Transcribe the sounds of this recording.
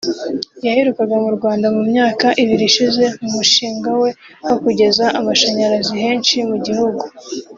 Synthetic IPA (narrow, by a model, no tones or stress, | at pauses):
jaheɾukaɡamuɾɡwaːndamumɲaːkaʔiβiɾiʃize̞mumuʃiːŋɡawe̞ho̞kuɟe̞zaʔamaʃaɲaɾaziɦe̞ːnʃimuɟihuɡu